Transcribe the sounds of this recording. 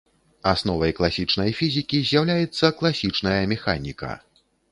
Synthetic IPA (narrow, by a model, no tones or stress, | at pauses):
asnɔvɐjklˠasʲit͡ʂnɐjfʲizʲikʲizʲjawlʲajɛt̪sːɐklˠasʲit͡ʂnɐjɐmʲɛxa̰nʲikɐ̰